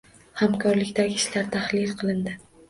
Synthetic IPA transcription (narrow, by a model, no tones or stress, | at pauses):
hamkʰɒɾlɪkʲt̪aɡʲɪːʃlaɾt̪ʰahlɪlqʰɨlˠɪnd̪ɪ